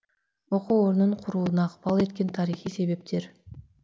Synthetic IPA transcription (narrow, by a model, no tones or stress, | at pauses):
o̞quoɾnuɴqʰuɾuːunɑːqpɑlˠe̞t̪kʲe̞nt̪ʰɑɾiχijse̞βe̞p̚t̪ʰe̞ɾ